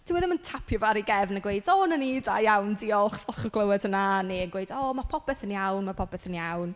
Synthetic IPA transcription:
d̥ʰɪwɛðəməntʰapʰjɔvaɾiɡɛvnəɡwejdɔnənida̰jjawndiɔlˠχɔlˠχɔɡlˠəwɛd̥ənaneənɡwejdɔːmapʰɔpɛθənjawnmapʰɔbɛθənjawn

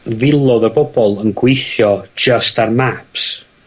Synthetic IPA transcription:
vɪlˠɔðəbɔbɔlˠənɡwejθjɔ̥d͡ʒəstarmaps

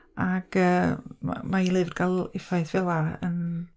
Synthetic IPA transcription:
aɡ̥əːma̰mailˠɨvdɡʰalˠɪfaɨθv̥ɛlˠaə̰n

